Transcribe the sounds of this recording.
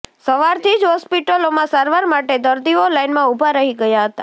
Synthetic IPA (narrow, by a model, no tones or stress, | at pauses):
səʋaɾt̪ʰid͡ʒɦɔspiʈəlomãsaɾʋaɾmaʈed̪əɾd̪iolainmãubʱaɾəɦiɡəjaɦət̪a